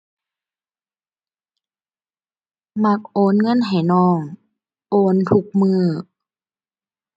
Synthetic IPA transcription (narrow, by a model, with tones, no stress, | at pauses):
ma˧˦k̚ʔoː˧˦nŋɤ˧˥˨nɦa˨˩jnɔː˧˩ŋ | ʔoː˧˦nt̪ʰu˧˦k̚mɯː˧˩